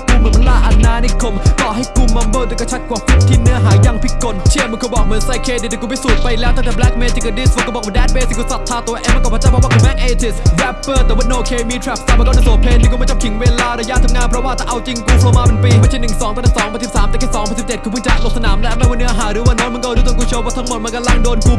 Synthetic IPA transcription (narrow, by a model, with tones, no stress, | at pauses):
ku˧˩mɨ˨˧˩mʰa˧laː˧˩ʔa˧˩nːaː˧˩ni˧˩kʰo˧˩mkɔː˨˩ɦa˥˩jku˧˩mːa˧mbəː˧˩t̪uː˧˩ka˧˩t͡ɕʰa˦˥t̚kwaː˨˩fu˨˩k̚t̪ʰi˧˥nɯ˦˥ɐɦaː˩˦ja˧˩ŋpʰi˨˩ko˨˩n̚t͡ɕʰi˧˩əmː˧nkʰoː˧˩bɔː˨˩k̚mɯ˨˩˦ənsa˧˩jkʰeː˧iː˧˩˨ku˧˩p̪ʰi˦˥suː˨˩t̪̚pa˧jlɛː˦˥wt̪ʰaː˧˩ɛ˨˩blɛ˦˥k̚meː˧t͡ɕi˧˩kəː˧˩diː˧˥˩swaː˧˩kɔː˥˩bɔ˨˩waː˧dɛː˧˥˩nbeː˧si˨˩ku˧˩sa˨˩t̪ʰːaː˧˩t̪u˧ɐʔeː˧˩mː˧˨kɔ˧˩pʰa˧˥t͡ɕaː˧˥˩pʰɔ˧˥waː˧˩kʰu˧˩mɛː˦˥ʔ̚eː˧t͡ɕi˨˩swɛ˦˥pːəː˧˩t̪ɛ˨˩wi˧˩noː˧˩kʰeː˧mi˧t̪ʰɾɛː˦˥p̚saː˧˩ma˧˩kɔ˥˩nː˧˩soː˩˦pʰe˧nt̪ʰiː˧kɔ˥˩mɔ˥˩t͡ɕaː˨˩t̪ʰi˩˦ŋweː˧laː˧ɾaː˧jaː˧˩t̪ʰːɯ˨˧˦ŋaː˧˥˨pʰɾɔ˦˥waː˥˩t̪ʰaː˧˩ʔa˧wt͡ɕi˧ŋkuː˧pʰɔː˧maː˧pe˧npiː˧maː˧˩t͡ɕʰi˥˩nɯ˨˩ŋsɔː˨˦ŋt̪ɔ˧t̪ʰa˧˩sɔː˨˦ŋpa˧t̪ʰi˨˩psaː˨˦mp̪ɛː˨˧˩kʰiː˧˥˩sɔː˨˦ŋpʰːnsi˨˩pt͡ɕe˨˩t̚kʰːpʰːt͡ɕa˧˩˧so˨˩sa˧naː˩˦mlɛː˦˥wma˥˨waː˧˩nɯ˦˥ə˧ɦaː˩˦ɾɯː˨˦waː˧˩nɔː˦˥nm˧˨kɔ˥ʔt̪ːkuː˧˩t͡ɕʰoː˧wpʰɔː˥˩t̪ʰa˧˦ŋmo˨˩t̪̚ma˧˥ka˧la˥˩ŋdoː˧nku˧